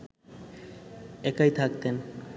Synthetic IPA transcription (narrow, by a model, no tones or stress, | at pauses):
ekajt̪ʰakt̪en